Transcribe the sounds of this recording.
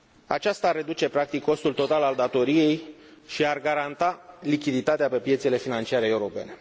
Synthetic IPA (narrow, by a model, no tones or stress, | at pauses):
a̰t͡ʃast̪arːe̞d̪ut͡ʃe̞pɾak̚t̪ikʰːo̞st̪ult̪o̞t̪alald̪at̪o̞ɾije̞j | ʃiarɡaɾant̪alikʲid̪it̪at̪eape̞pje̞t̪sele̞finant͡ʃiaɾeeuɾo̞pe̞̰ne̞